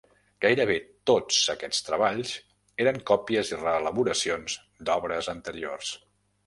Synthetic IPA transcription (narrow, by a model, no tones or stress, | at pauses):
ɡ̥ajɾəβ̞et̪ot͡səkɛt͡st̪ɾəβ̞aʎz | eɾəŋkɔpiəzirəːləβuɾəsionz | d̪ɔβɾəzənt̪əɾio̰rs